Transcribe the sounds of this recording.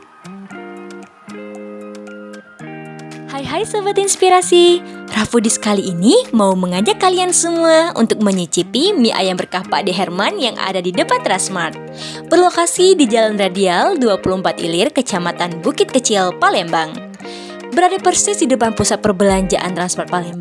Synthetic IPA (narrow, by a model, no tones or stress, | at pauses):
hajɦajsəbət̪inspiɾasirafudiskaliːnimauməŋad͡ʒakːaliansəmuaṵnt̪ʊk̚məɲit͡ʃipimiʔa̰jambərkapa̰ʔdiɦɛrmanjaŋʔa̰dadidəpant̪ɾansmart̪̚ | bərlokasidid͡ʒalanradialduapuluhmpat̪ḭlɪrkət͡ʃamat̪anbukɪt̪̚kət͡ʃɪlpalɛmbaŋ | bəɾadapərsɪshidupanpusat̪̚pərbəlaɲd͡ʒaʔa̰nt̪ɾansmart̪̚palɛmb